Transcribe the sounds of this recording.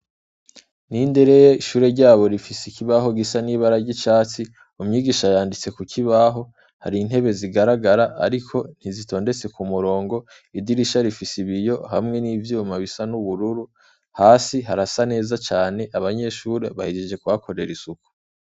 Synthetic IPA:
ninde̞ɾe̞jeiʃuːɾe̞ɾɟaːβo̞ɾifisikiβaɦo̞ɡisaniːβaɾaɾɟit͡ʃaːt͡si | umɲiːɡiːʃajaːndit͡se̞kukʰiβaɦo̞ | haɾin̥he̞βe̞ziɡaɾaɡaɾaʔa̰ɾikʰo̞n̥hizito̞ːnde̞t͡se̞kumuɾo̞ːŋɡo̞ | idiɾiʃaɾifisiβijo̞hamŋe̞nivjijomaβisanuβuɾuɾu | haːsiɦaɾasane̞ːzat͡ʃaːne̞ʔaβaɲe̞ʃuːɾe̞βahid͡ʒiʒe̞kuβakʰo̞ɾe̞ɾisuku̥

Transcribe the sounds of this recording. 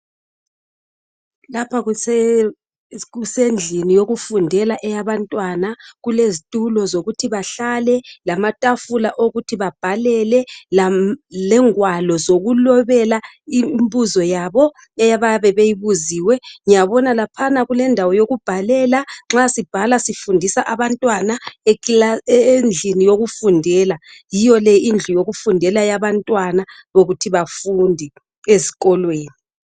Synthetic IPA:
lapʰaɣ | ɣusend͡ɮʱinijoɣufundʱɛlaʔɛjaβantʼwanaɣulezitʼulɔzoɣutʰiβaɬalɛlamatʼafulaʔoɣutʰiβab̥ʱalɛlɛlalɛŋwalɔzoɣulɔβɛla | imbuzɔjaβɔ | ɛjaβaβɛβejiβuziːwɛŋijaβɔnalapʰanaɣulɛndʱawɔjoɣub̥ʱalɛlaŋ͡ǁasib̥ʱalasifundʱisaʔaβantʼwanae | nd͡ɮʱinijoɣufundʱɛːlajijɔlɛind͡ɮʱujoɣufundʱɛlajaβantʼwana | βoɣutʰiβafundʱi | eziɣɔlweːni

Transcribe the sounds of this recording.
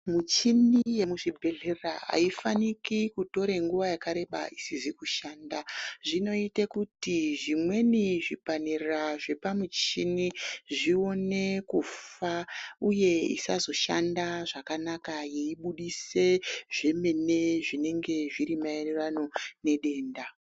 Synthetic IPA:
mut͡ʃinije̞muʐibʱe̞ɮerraa̰ifanikikuto̞ɾeŋɡuʋajakaɾe̞ɓa̰isizikuʃaːndaʐino̞itekutiʐimwe̞niʐipanirraʐe̞pamut͡ʃiniʐio̞ne̞kufauje̞ḭsazo̞ʃandaʐakanakajeiɓuɗise̞ʐe̞me̞ne̞ʐine̞ŋɡe̞ʐiɾimaenirano̞ne̞ɗe̞ːnda

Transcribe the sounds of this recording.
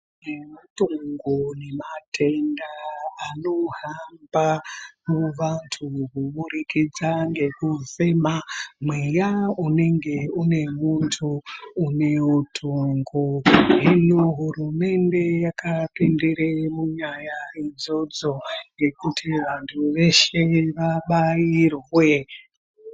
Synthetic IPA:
nematoŋŋɡone̞matʰe̞ndaano̞ɦambamuʋantʰukuɓuɾikid͡zaŋɡe̞kusemamwejaune̞ŋɡe̞une̞muntʰuːne̞utʰoŋɡoɦinoɦurume̞nde̞jakʰapindiɾemuɲajaid͡zo̞d͡zo̞ŋɡe̞kutʰiʋantʰuʋe̞ʃe̞ʋaɓajirwe̞

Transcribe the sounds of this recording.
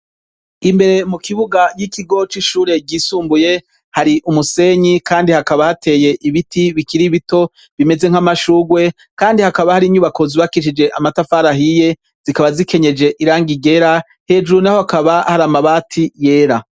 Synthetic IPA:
imbe̞ɾe̞mukʰiβuɡajikʰiɡo̞t͡ʃiʃuːɾe̞ɟiːsuːmbuje̞ | haɾiʔumuse̞ɲikaːndihakaβahatʰe̞ːje̞ʔiβitʰiβikiɾiβito̞ | βime̞ze̞ŋ̥hamaʃuːɡwe̞ | kaːndihakaβahaɾiɲuβako̞ziβakiʃid͡ʒe̞ʔamatafaɾaɦije̞ | z̥ikaβazike̞ɲe̞d͡ʒe̞ʔiɾaːŋɡiɡe̞ɾa | he̞ːd͡ʒuɾnahohakaβahaɾamaβaːtʰije̞ːɾa

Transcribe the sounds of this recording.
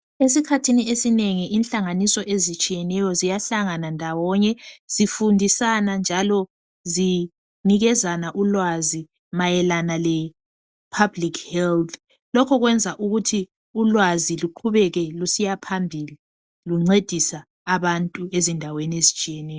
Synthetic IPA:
esikʰatʰiniesineŋiʔinɬaŋanisɔʔezit͡ʃʼijɛnɛjɔzijaɬaŋanandʱawɔɲɛz̥ifundʱisanand͡ʒʱalɔ | zi | niɣɛzanaʔulwazi | majɛlanalɛ | pʰablikʰhɛlt̪ʰ | lɔkʰɔɣwɛnd͡zʱaʔuɣutʰi | ulwaziluǃʰuβɛɣɛlusijapʰambʱili | luŋ͡ǀed̥ʱisaː | βantʼuezindʱaweniezit͡ʃʼijɛnɛːjɔ

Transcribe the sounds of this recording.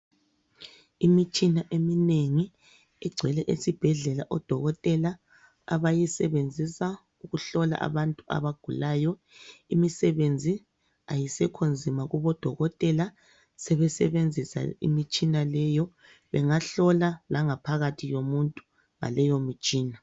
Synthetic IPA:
imit͡ʃʼinaʔemineŋi | ɛɡ͡ǀʱwɛlɛʔesib̥ʱɛɮɛlaʔɔd̥ʱɔɣɔtʼɛlaː | βajisɛβend͡zʱisa | uɣuɬɔla̰ʔa̰βantʼua̰βaɡ̥ʱulaːjɔ | imisɛβend͡zʱi | a̰jisɛkʰond͡zʱimaɣuβɔd̥ʱɔɣɔtʼɛla | sɛβɛsɛβend͡zʱisa̰ḭmit͡ʃʼinalɛjɔ | βɛŋaɬɔlalaŋapʰaɣatʰijomuntʼu | ŋa̰lɛjomit͡ʃʼiːna

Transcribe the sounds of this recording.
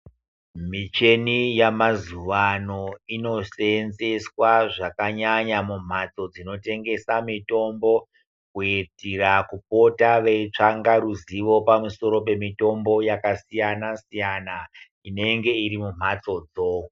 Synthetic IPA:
mit͡ʃe̞nijamazuʋano̞ino̞senze̞swaʐakaɲaɲamum̤at͡so̞d͡zino̞te̞ŋɡe̞samito̞mbo̞ | kuitirakup̚o̞taʋe̞it͡ʂaŋɡaɾuziʋo̞pamuso̞ɾo̞p̬e̞mito̞mbo̞jakasijanasijana | ine̞ŋɡe̞iɾimum̤at͡so̞d͡zoː

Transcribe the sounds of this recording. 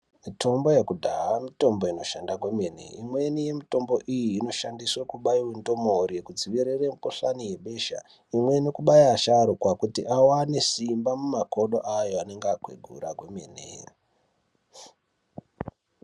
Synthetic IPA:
mitʰo̞mbo̞jekudʱaɦamito̞mbo̞ino̞ʃandakwemene̞̰imwe̞nije̞mito̞mbo̞ʔijiːno̞ʃandiswekuɓaiwendo̞morijekud͡ziʋiɾeremukoɬanije̞ɓe̞ːʃa̰ | imwe̞nekuɓaiaʃaɾokwakutḭʔawanesimbamumako̞ɗo̞ʔajoane̞ŋɡakwḛɡʱṵɾaɡwemḛnḛ

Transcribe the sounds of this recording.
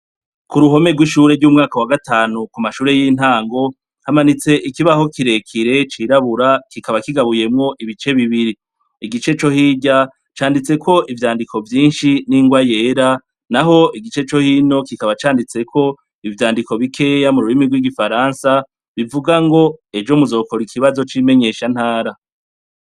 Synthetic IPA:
kuɾuɦo̞me̞ɡwiʃuːɾeɾɟumŋaːkawaɡataːnukumaʃuːɾe̞jiːn̥aːŋɡo̞ | hamanit͡se̞ʔikiβaho̞kiɾe̞kʰiɾe̞t͡ʃiɾaβuɾakikaβakiɡaβuje̞mŋo̞ʔiβit͡ʃe̞βiβiɾi | iɡit͡ʃe̞t͡ʃo̞hiːɟa | t͡ʃaːndit͡se̞kʰo̞ʔivjaːndikʰo̞vjiːnʃiniŋɡwaje̞ːɾa | naɦo̞iɡit͡ʃe̞t͡ʃo̞hiːno̞kikaβat͡ʃaːndit͡se̞kʰo̞ | ivjaːndiko̞βikʰe̞ːjamuɾuɾimiɡwiɡifaɾansa | βivuɡaŋɡo̞e̞d͡ʒo̞muzo̞ːkoɾikʰiβazo̞t͡ʃime̞ɲe̞ʃan̥haːɾa

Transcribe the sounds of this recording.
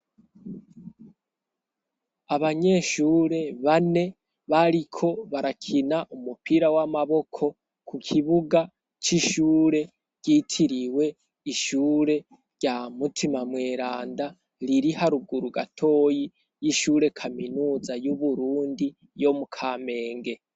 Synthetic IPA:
aβaɲe̞ʃuːɾe̞βane̞ | βaɾikʰo̞βaɾakʰinaʔumupiɾawamaβo̞kʰo̞ | kʰukʰiβuɡa | t͡ʃiʃuːɾe̞ | ɟ̥itʰiɾiwe̞ | iʃuːɾe̞ | ɟamutʰimamwe̞ːɾaːnda | ɾiɾihaɾuɡuɾuɡatʰo̞ːji | jiʃuːɾe̞kʰaminuːzajuβuɾuːndi | jo̞mukʰaːme̞ːŋɡe̞

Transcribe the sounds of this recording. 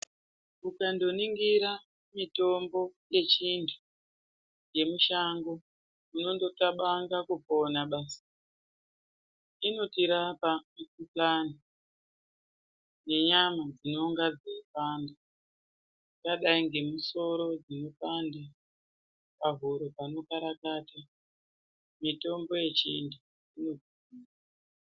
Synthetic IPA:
ukando̞niŋɡiɾa | mito̞mbo̞je̞t͡ʃintʰu̥ | jemuʃaŋɡo | uno̞ndo̞taɓaŋɡakuponaɓaːsḁ | ino̞tiɾapakuplani | ne̞ɲamad͡zino̞ŋɡad͡zepanda | kaɗaiŋɡe̞muso̞ɾo̞d͡zino̞panda | pavuɾopano̞kaɾakata | mito̞mbo̞je̞t͡ʃḭndu | ino̞d͡zi | iːa

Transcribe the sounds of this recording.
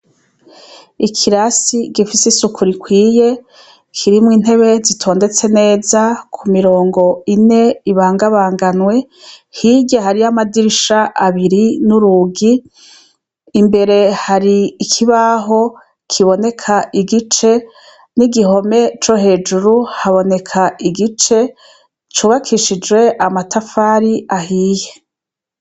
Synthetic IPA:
ikʰiɾasiɡifisisukʰuɾikwiːje̞ | kʰiɾimŋiːn̥e̞βe̞zitʰo̞ːnde̞t͡se̞ne̞ːzakʰumiɾo̞ːŋɡo̞ine̞iβaːŋɡaβaːŋɡanwe̞ | hiːɟehaɾiamadiɾiʃaʔaβiɾinuɾuɡi | mbe̞ɾe̞haɾiːkʰiβaɦo̞ | kʰiβo̞ne̞kʰaʔiɡit͡ʃe̞ | niɡiɦo̞me̞t͡ʃo̞ɦe̞ːd͡ʒuɾuhaβo̞ne̞kʰaʔiɡit͡ʃe̞ | t͡ʃuːβakʰiʃid͡ʒwe̞ʔamatʰafaːɾiʔahiːje̞

